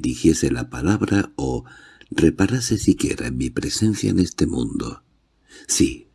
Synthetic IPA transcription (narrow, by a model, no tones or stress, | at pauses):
ɾixje̞selapalaβɾao | re̞paɾasesikje̞ɾaemipɾe̞se̞nθja̰ene̞st̪e̞mṵ̃nd̪o̞̰ | si